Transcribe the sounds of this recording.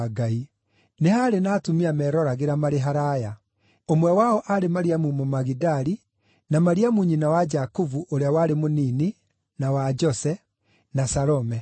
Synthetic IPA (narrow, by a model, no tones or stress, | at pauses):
ɡai | nehaɾenaːtumiamɛɾɔɾaɣeɾamaɾeɦaɾaja | omwɛwaɔʔaɾemaɾiamumomaɣidaɾi | namaɾiamuɲinawad͡ʒakovuʔoɾeawaɾemonini | nawad͡ʒɔsɛ | nasaɾɔmɛ